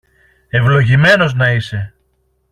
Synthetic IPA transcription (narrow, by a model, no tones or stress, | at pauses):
e̞vlo̞ʝime̞no̞znɐise̞